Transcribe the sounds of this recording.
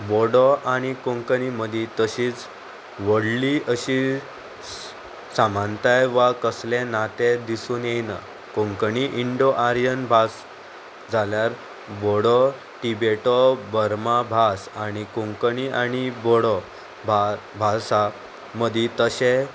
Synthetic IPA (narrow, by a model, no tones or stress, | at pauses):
bɔɽɔʔaɽ̃ikoŋkəniməd̪ʱit̪əɕiːt͡s | ʋəɽliəɕi | samãnt̪ajʋakəslẽnat̪ed̪isuːnjejna̰ | kõŋkəniʔiɳɖoʔaɾjənbʱas | d͡zaljaɾ | bɔɽɔ | ʈibeʈɔbəɾmabʱasaɽ̃ikoŋkəniʔaɽ̃ibɔɽɔ | babʱasa | məd̪ʱit̪əɕe